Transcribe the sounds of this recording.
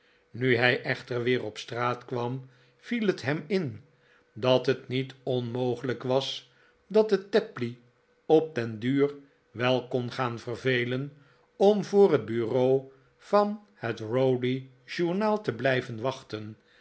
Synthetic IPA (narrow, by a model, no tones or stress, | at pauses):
nyɦɛjʔɛχtəɹʋɪːrɔpstraːtkʋɑm | v̥ilətɦɛmɪn | dɑtɦətnitɔnmowχələkʋɑs | dɑt̚dətɛpli | ɔp̚tɛndyːr | ʋɛlˠkɔnχaːnvərvejlən | ɔmvʊːrɦəd̚byrow | v̥ɑn | hətrowdi | ʒ̥uɹnaːlˠtəblɛjvənʋɑχtən